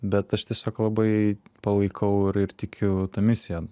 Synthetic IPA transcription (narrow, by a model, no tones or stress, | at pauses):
bʲɛt̪ɐʃt̪ʲiɛsʲoːklˠɐbɐɪpɐlˠɐɪkʰɐʊɪɾɪrt̪ʲɪkʲʰʊt̪ɐmʲɪsʲɪjɛ